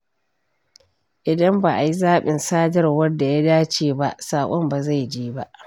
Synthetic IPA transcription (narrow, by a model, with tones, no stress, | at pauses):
ʔɪ˨dɐ˦mbaː˨ʔa˨ji˦zaː˦ɓɪ˨nsaː˦d͡ʒɐ˦rwɐ˦rda˨ja˦daː˦t͡ʃeː˦˨ba˦ʔsaː˨kʷʼɔ˦mba˨za˦˨jd͡ʒiː˦ba˦ʔ